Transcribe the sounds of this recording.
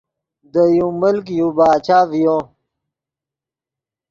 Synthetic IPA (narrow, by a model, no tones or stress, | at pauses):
d̪əjũməlk̬jũbaːt͡ɕaːvijõ